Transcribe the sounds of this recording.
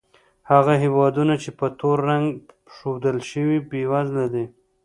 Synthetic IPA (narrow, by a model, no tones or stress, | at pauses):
haɣaɦewɑd̪unat͡ʃepət̪oɾːaŋɡ | ʂowd̪əlʃəwibewaznad̪e